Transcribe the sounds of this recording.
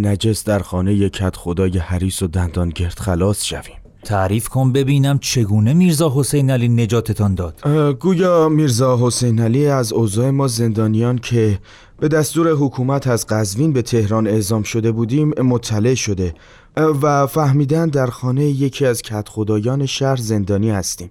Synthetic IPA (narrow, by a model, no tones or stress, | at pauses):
næd͡ʒe̞sd̪æɾxɒːne̞jecʰæt̪xod̪ɒːjehæɾiːsod̪ænd̪ɒːnɟe̞ɾd̪̥xælɒːsʃæ̰v̥i̥ːm | t̪ʰæɾiːfkʰonbe̞biːnæmt͡ʃʰe̞ɡuːne̞miɾzɒːɦo̞sejnæliːne̞d͡ʒɒːt̪ʰe̞t̪ʰɒnd̪ɒːd̪̥ɡuːjɒːmiɾzɒːɦo̞se̞jnæliæzoːzɒːemɒːze̞nd̪ɒːnijɒːncʰe̞ | b̥e̞d̪æst̪uːɾe̞ɦokʰuːmæt̪ʰæzɢæzviːnbe̞t̪ʰe̞hɾɒːne̞zɒːmʃo̞d̪e̞buːd̪iːmːot̪ʰːæle̞ʔʃo̞d̪e̞ | væfæhmiːd̪ænd̪d̪æɾxɒːne̞jeje̞cʰiːæzcʰæt̪xod̪ɒːjɒːne̞ʃæɾze̞nd̪ɒːniːhæst̪iːm